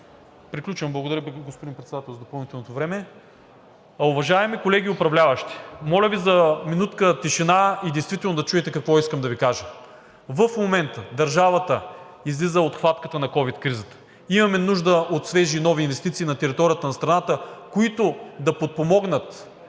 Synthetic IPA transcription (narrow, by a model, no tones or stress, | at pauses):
pɾiklʲut͡ʃɐmblˠɡod̪ɐɾʲjəɡospod̪inpɾɛt̪sd̪at̪ɛlˠzɐd̪opɐlˠnit̪ɛlˠnot̪ovɾɛmɛ | ɐʊvɐʒaɛmikolɛɡʲiʊpɾɐvlʲavɐʃt̪i̥mɔlʲəvizɐminut̪kət̪iʃɛnaid̪ɛjst̪vit̪ɛlnod̪ɐt͡ʃuɛt̪ɛkɐkvɔiskəmd̪ɐvikaʒə | vəfmomɛnt̪əd̪ɐɾʒavɐt̪ə | izlizəot̪xvat̪kət̪ənɐkɔvit̪kɾizət̪ə̥ | imɐmɛnuʒd̪əot̪svɛʒinɔviːnvɛst̪it̪siːnɐt̪ɛɾit̪ɔɾijət̪ənɐst̪ɾɐnat̪əkoit̪od̪ɐpot̪̚pomɔɡnət̪